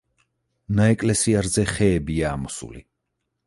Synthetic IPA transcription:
naɛkʼlɛsiaɾzɛχɛːbiaːmɔsṵlḭ

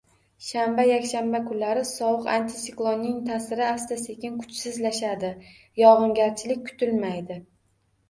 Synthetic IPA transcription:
ʃambajakʲʃambakʰʊnlaɾɪsɒwʊqa̰nt̪ʰɪsɪklˠonːɪŋt̪ʰasɪɾɪast̪ase̞kʲɪnkʰʊ̥t͡ʃsɪzlaʃad̪ɪ | jɒʁɨŋɡʲaɾt͡ʃʰɪlɪk̚ʲkʰʊ̥t̪ʰɪlmajd̪ɪ

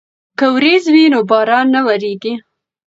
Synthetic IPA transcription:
kawɾezwinobɑɾɑnːawaɾeɡi

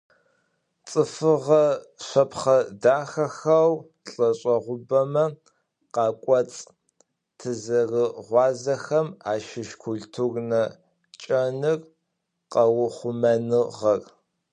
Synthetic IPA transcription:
t͡sʼɨfɨʁɐɕʷɐpχɐdaːxɐxɐw | ɬʼɐɕʼɐʁʷʊbɐmɐ | qɑːkʷʼɔt͡sʼ | tʰɨzɐrɨʁʷɑːzɐxɐmaːʃɪʃkʷʰʊɮtʰurnɐ | t͡ʃʼɐnɨr | qɐwχʷʊmɐnɨʁɐr

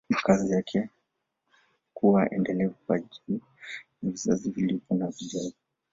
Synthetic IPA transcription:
makazijakʰɛ | kuwaʔɛ̰ndɛlɛvukwaʄi | naviza̰zivilipɔnavizazi

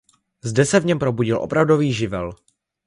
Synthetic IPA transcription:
zdɛsɛvɲɛmpɾo̞buɟɪlʔo̞̰pɾavdo̞viːʒɪvɛ̰l

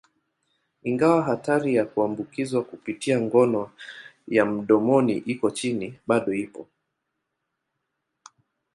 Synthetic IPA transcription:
iŋɡawaɦataɾijakuambukizwakupitiaŋɡɔnɔ | jam̩ɗɔmɔniʔikɔt͡ʃiniɓaɗɔipɔ

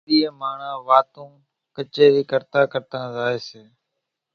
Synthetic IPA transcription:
iːəmaːɳãːʋaːt̪õː | kət͡ʃeːɾiːkəɾt̪ãːkəɾt̪ãːzaːeːseː

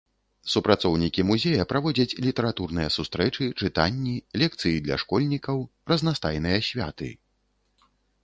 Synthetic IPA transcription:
supɾat̪sɔwnʲikʲimuzʲejɐpɾavɔd͡zʲɐt͡sʲlʲit̪ɛɾat̪urnɨjɐsust̪ɾɛt͡ʂɨt͡ʂɨt̪anʲːilʲɛk̚t̪sɨjid̪lʲɐ̰ʂkɔlʲnʲikɐwrɐznast̪ajn̪ɨjɐsʲvʲa̰t̪ɨ̰

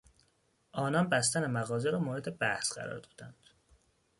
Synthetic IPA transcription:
ʔɒːnɒnbæst̪ænemæɣɒːzeɾɒːmoːɾe̞d̪e̞bæhsɢæ̰ɾɒ̰ːɾd̪ɒ̥ːd̪ænd̪̥

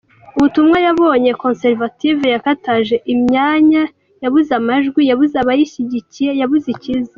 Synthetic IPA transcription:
uβutumŋajaβo̞ːɲe̞ko̞nseɾvativejakataʒe̞ʔimɲaːɲa | jaβuzamaʒɡwijaβuzaβajiiɟicijejaβuziciza

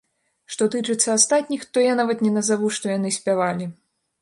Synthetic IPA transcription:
ʂt̪ɔt̪ɨt͡ʂɨt̪sːɐast̪at̪ʲnʲixt̪ɔjanavɐt̪nʲɛnɐzavuʂt̪ɔjanɨsʲpʲavalʲi

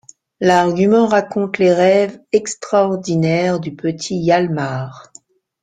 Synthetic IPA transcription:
laʁɡʲymɑ̃ʁakɔ̃t̪leʁɛvɛkst̪χaɔʁd̪inɛʁd̪ypət̪ʰijalmaːʁ

